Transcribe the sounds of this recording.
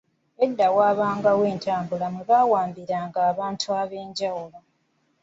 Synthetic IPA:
edːawaːβaːŋɡawe̞ːntʰaːmbulamweβawaːmbiɾaːŋɡaːβaːntʰuaβe̞ːɲɟawulo

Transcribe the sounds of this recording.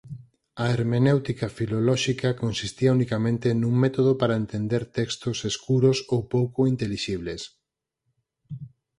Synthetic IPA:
ɐeɾmenewt̪ikafilolɔʃikakonsist̪iɐunikamẽnt̪enũŋmet̪oð̞opaɾaent̪end̪eɾt̪ɛkst̪oseskuɾosowpowkoint̪eliʃiβles

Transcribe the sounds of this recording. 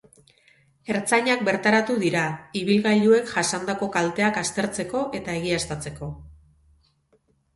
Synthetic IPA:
e̞ɾt͡saɲak̚be̞ɾt̪aɾat̪uðiɾaiβ̞ilɣaʎue̞kʝasand̪ako̞kalt̪e̞akast̪e̞ɾt͡se̞ko̞ʔe̞t̪ae̞ɣ̞iast̪at͡se̞ko̞

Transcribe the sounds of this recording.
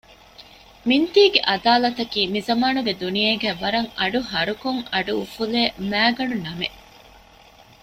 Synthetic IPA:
mint̪iːɡeʔɐd̪aːlɐt̪ɐkiːmizɐmaːnuɡed̪unijeːɡæːʋɐɾɐŋɐɖuɦɐɾukoŋɐɖuufuleːmæːɡɐɖunɐme

